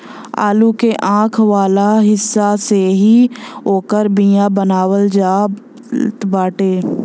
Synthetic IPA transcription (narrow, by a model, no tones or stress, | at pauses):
a̰ːlukeʔãːkʰʋaːlaɦɪsːaseɦioːkəɾbijãbənaːwəld͡ʒaː | t̪baːʈeː